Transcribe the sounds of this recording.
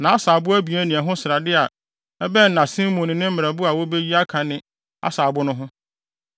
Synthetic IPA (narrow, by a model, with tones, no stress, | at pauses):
nã˨a˦saː˨bʊ˦æ˦bi˨æ˦nĩ˨ɛ˨ɦʊ̃˦sɾa˨dɪ˦a˨ | ɛ˦bɛ˦n̩˨nã˨sĩ˦mɔ̃˨nɪ̃˨nɪ̃˦m̩˦ɪ˨ɾa˨bʊ˦a˨wo˦be˦ji˦a˦kʰã˨nɪ̃˦ | a̰˦saː˨bʊ˦nʊ̃˦ɦʊ̃˦